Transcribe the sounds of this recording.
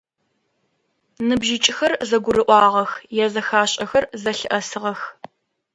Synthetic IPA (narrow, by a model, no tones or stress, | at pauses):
nɨbʒɪt͡ʃʼxɐrzɐɡʷʊɾɨʔʷɑːʁɐxjɛzɐxaːɕʼɐxɐrzɐɬɨʔɐsɨʁɐx